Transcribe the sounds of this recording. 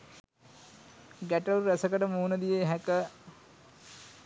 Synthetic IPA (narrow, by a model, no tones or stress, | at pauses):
ɡæʈəuuɾæsəkəʈəmuːnəd̪ijeɦækə